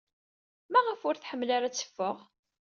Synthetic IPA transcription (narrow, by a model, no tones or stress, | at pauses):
mæʁəfʊɾθħəmːlaɾaæt͡sːə̥fːəʁ